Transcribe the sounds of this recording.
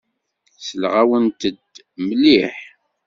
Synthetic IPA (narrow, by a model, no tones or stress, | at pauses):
səlʁawənt̪əd̪ | məlːiħ